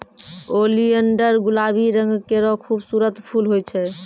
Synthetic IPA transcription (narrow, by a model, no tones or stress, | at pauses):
oliəɳɖəɾɡulabiɾəŋɡkeɾɔkʰubsuɾət̪pʰulɦojt͡ʃʰɛ